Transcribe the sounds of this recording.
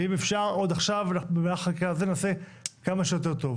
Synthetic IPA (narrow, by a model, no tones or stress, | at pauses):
imefʃaʁo̞d̪aχʃavabemeaχalkkazenase̞kamaʃejo̞t̪̬e̞ʁt̪o̞v